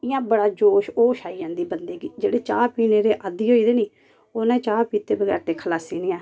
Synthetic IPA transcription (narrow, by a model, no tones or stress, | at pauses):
ɪjãːbəɽaːd͡ʒoːʃoːʃaːijãːd̪iːbənd̪eːɡiːd͡ʒeːɽeːt͡ʃaːpiːneːɾeːʔad̪iːɦoːiːd̪eːniː | oːnãːt͡ʃaːpiːt̪eːbəɡɛ̰ːɾt̪eːkʰəlaːsiːneːãː